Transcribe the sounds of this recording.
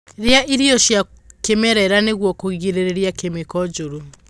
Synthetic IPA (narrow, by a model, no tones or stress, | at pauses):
ɾjaʔiɾiɔʃjakemɛɾɛɾaneɣwɔkoɣiɣiɾeɾeɾjakemekɔd͡ʒoɾu